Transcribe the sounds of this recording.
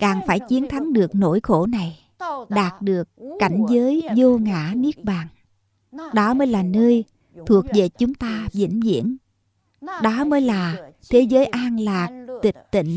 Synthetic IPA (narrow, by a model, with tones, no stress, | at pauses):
kaː˨˩ŋfaː˧˩jt͡ɕi˨˦ənt̪ʰa˨˦ŋɗɨ˨˩ək̚no̰˧˥jxo˧˩na˨˩j | ɗaː˨˩t̚ɗɨ˨˩əkːa˧˩jŋ̟zəː˨˦jzo˧ŋa̰ː˧˥ni˦˥ək̚ɓaː˨˩ŋ | ɗɔ˨˦məː˨˦jlaː˨˩nəː˧j | t̪ʰu˨˩ək̚ve˨˩t͡ɕʊ˨˦ŋ͡mt̪aː˧vḭ˧˥nzḭ˧˥ən | ɗɔ˨˦məː˨˦jlaː˨˩t̪ʰe˨˦zəː˨˦jʔaː˧nlaː˨˩k̚t̪i˨˩k̟̚t̪ḭ˧˨ŋ̟